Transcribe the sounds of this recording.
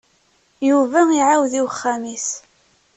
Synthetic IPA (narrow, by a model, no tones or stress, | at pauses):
juvæiʕawðiwəχːæmis